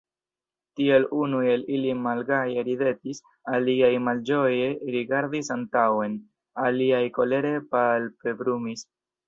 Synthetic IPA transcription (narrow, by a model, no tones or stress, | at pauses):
tie̞lunue̞lilimalɡajeɾide̞tis | aliajmald͡ʒo̞jeɾiɡaɾdisantawe̞n | aliajko̞le̞ɾe̞palpe̞bɾumis